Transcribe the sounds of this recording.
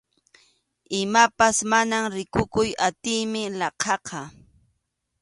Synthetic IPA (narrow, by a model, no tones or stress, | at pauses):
ɪmapasmanamɾɪkʊkʊjat̪ɪjmɪlɑqʰɑqʰɑ